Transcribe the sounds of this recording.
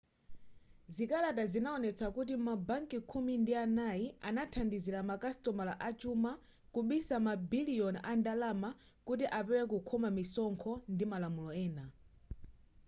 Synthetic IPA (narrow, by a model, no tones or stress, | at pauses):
zikalatazinaɔnɛt͡sʰakut̬imabaŋkikʰumindianajianatʰandiziɾamakastɔmalaʔat͡ʃuma | kuɓisamabiliɔnʔandalama | kut̬iʔapɛwɛkukʰɔmamisɔŋkʰɔndimalamulɔɛːna